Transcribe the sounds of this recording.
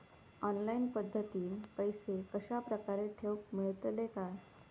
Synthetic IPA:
ɔnlainpəd̪ʱːət̪iːpəjsekəɕapɾəkaɾeʈʰeʋk̚miɭt̪leka

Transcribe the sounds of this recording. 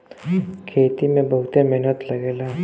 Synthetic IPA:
kʰeːt̪imẽbɐɦʊt̪emɛɦnət̪lɐɡeːlaː

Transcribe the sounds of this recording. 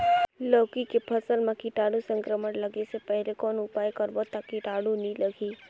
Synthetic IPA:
lɔːkikepʰɐsəlmãkiʈaːɽusə̃ŋkɾəmənlɐɡesepɛɦlekɔːnʊpaːjkəɾbot̪akiʈaːɽunĩlɐɡiː

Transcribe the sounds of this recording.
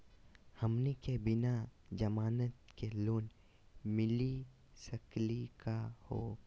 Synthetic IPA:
hɐmnekebɪnad͡ʒɐmaːnət̪keloːn | mɪli | səklikahoː

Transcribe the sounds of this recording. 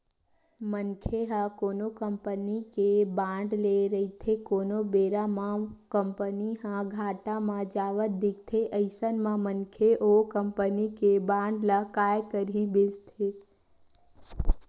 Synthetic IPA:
mənkʰeɦakonokəmpənikebãɳɖleɾəit̪ʰekonobeɾamãkəmpəniɦãɡʱaʈãmãd͡ʒaʋəɾ̚d̪ɪk̚t̪ʰeʔəɪsənmãmənkʰeʔokəmpənikebãɳɖləkajkəɾibɪst̪ʰe

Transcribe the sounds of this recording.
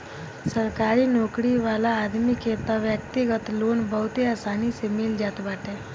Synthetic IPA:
səɾkaːɾinɔːkɽiʋaːlaːd̪mikeːt̪aʋjək̚t̪ɪɡət̪loːnbɐɦʊt̪ɦeaːsaːnisemɪld͡ʒaːt̪baːʈẽː

